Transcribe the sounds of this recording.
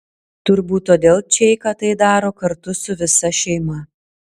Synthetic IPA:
t̪ʊɾbuːt̪ːoːd̪ʲeːlˠt͡ʃʲɛɪkɐt̪ɐɪd̪ɑːɾoːkɐɾt̪ʊsʊʋʲɪsɐʃʲɛɪmɐ

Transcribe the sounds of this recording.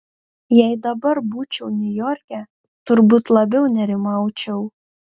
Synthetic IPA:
jɛɪd̪ɐbɐɾbuːt͡ʃʲɛʊnʲʊjɔːɾʲkʲɛ | t̪ʊɾbuːt̪lˠɐbʲɛʊnʲɛɾʲɪmɑˑʊt͡ʃʲɛʊ

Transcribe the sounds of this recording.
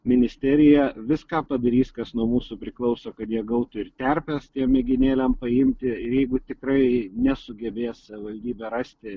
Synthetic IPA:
mʲɪnʲɪsʲt̪ʲæːɾʲɪjɛʋʲɪskɑːpɐd̪ɐɾʲiːskɐsnuɔmuːsupʲɾʲɪklˠɐʊsoːkɐt̪jiɛɡɐʊt̪ʊɪrt̪ʲɛɾʲpʲɛst̪ʲiɛmmʲɛɡʲɪnʲeːlʲɛmpɐɪmʲt̪ʲɪɪjɛɪɡʊt̪ʲɪkɾɐɪnʲɛsʊɡʲɛbʲeːssɐʋʲɪʋɐlʲd̪ʲiːbʲɛɾɑsʲt̪ʲɪ

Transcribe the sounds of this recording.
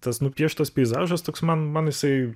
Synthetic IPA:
t̪ɐsnʊpʲiɛʃt̪ɐspʲɛɪzɑːʒɐst̪oːksmɐnmɐnɪsɐɪ

